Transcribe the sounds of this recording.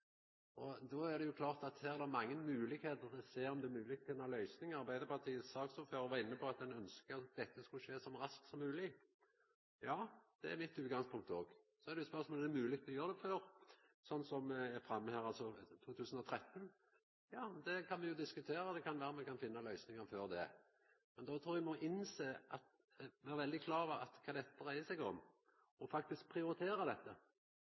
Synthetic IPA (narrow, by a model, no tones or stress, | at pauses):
ɔd̪ɔæɾd̪ɛjʊkʰlɑːʁt̪ɑt̪hæːʁd̪ɛmɑŋːənmʉːlɪkheːt̪əʁɔseːɔmd̪ɛæmʉːlɪk̚t̪fʰɪnːɑlœʏsnɪŋɑɾbæɪd̪əpʰɑt̪ʰiːəssɑːksɔføːɾɔʋɑːɾɪnːəpʰɔɑt̪̚d̪ɛnœnskəd̪ɛt̪ːəskʉʃeːsɔmɾɑsk̪sɔmːʉːlɪ | jɑːd̪̥ɛæɾmɪt̪ːʉːt̪ɡɑŋspʰʊŋk̚t̪əoːɡsɔɛʁd̪ɛjʊspœʁsmoːlɛd̪ɛmʉːlɪk̚t̪ʰɔjøːʁd̪ɛføːʁsɔnːsɔmæfɾɑmːəhæːɾɑlsɔt̪ʰuːt̪ʰʉːsən̩ɔt̪ʰɾɛt̪ːn | jɑːd̪ɛkʰɑnmɛjʊd̪ɪskʉt̪ʰeːɾɑd̪ɛkɑnʋæːɾəmɛkɑnfɪnːɑlœʏsnɪŋɑføːɾd̪ɛ | mɛnd̪oːt̪ʰɾuːɾɛɡmɔʔɪnseːʔɑt̪ | ʋæːɾʋɛld̪ɪkʰlɑːʋɑɑt̪kʰɑːd̪ɛt̪ːəɾæɪəsɛɡɔ̰m | ɔfɑkt̪ɪsk̚pʰɾɪʊɾɪt̪ʰeːɾɑd̪ɛt̪ːə